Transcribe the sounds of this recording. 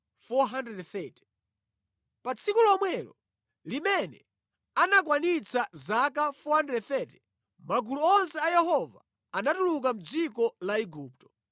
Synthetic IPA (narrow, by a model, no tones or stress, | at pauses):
fɔɦandɾɛdθɛtɛ̥ | pat͡sʰikulɔmwɛlɔ̰ | limɛnɛ | anak̬wanit͡sʰazakafɔhandɾɛdθɛtɛ̥ | maɡuluɔnsɛajɛɦɔva | anatuluk̬am̩d͡zikɔlaiɡuːp̚tɔ̥